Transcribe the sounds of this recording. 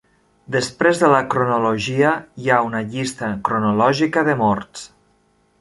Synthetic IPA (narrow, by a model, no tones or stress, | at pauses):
d̪əspɾezðələkɾunuluʒiəiaunəʎist̪əkɾunulɔʒikəðəmɔɾs